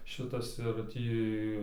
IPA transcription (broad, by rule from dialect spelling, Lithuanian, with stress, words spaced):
ˈʃʲɪtɐs ɪr ˈtʲiː